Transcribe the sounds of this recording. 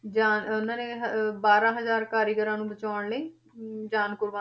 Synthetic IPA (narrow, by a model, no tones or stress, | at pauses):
d͡ʒaːnʊnãːneːɦbaːɾãːɦəzaːɾkaːɾiɡəɾãːnũːbət͡ʃaːʊɳləiː | d͡ʒaːnkʊɾʋa